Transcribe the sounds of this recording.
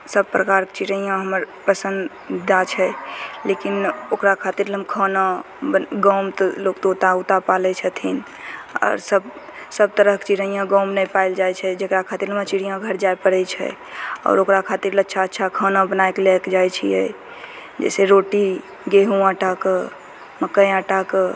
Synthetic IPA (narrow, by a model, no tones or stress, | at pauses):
səb̚pɾəkaɾket͡ʃiɾəijãɦəməɾ | pəsə̃nd̪ | d͡ʒat͡ʃʰɛlekinokɾakʰat̪iɾləmkʰəna | bəɡə̃ʊmt̪ɔlokt̪ot̪aut̪apalɛt͡ʃʰət̪ʰin | ɔ̰ːɾsəb | səb̚t̪əɾəɦkt͡ʃiɾəijãɡəwmnɛpajld͡ʒajt͡ʃʰɛd͡ʒekɾakʰat̪iɾlmə̃t͡ʃiɽijãɡʱəɾd͡ʒaepəɽət͡ʃʰɛ̰ | ɔ̰ɾokɾakʰat̪iɾlətːʃʰaətːʃʰakʰənãbənajkelɛkd͡ʒajt͡ʃʰḭjɛ̰ | d͡ʒɛ̰seɾoʈi | ɡeɦũãʈakə | məkːəjãʈak